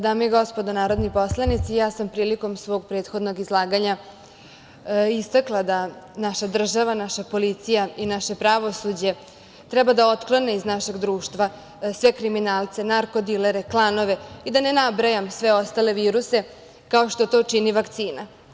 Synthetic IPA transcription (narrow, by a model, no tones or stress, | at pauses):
d̪aːmojeɡo̞spo̞d̪onaːɾo̞d̪nipo̞slˠanit̪sijaːsampɾiːliko̞msʋo̞ːɡpɾe̞ːt̪xo̞d̪no̞ɡizlˠaːɡaɲa | ist̪aklˠad̪anaʃad̪r̩ʒaʋanaʃapo̞lit̪sijainaʃe̞pɾaʋo̞sud͡ʑe̞ | t̪ɾɛbad̪ao̞t̪klˠo̞neiznaʃe̞ɡd̪ɾuːʃt̪ʋa | sʋe̞kɾiminaːlˠt̪se̞naɾko̞d̪ileɾeklˠano̞ʋe̞id̪ane̞nabɾajamsʋe̞o̞st̪ale̞ʋiːɾuse̞ | kao̞ʃt̪ot̪o̞ːt͡ʂiniʋakt̪siːna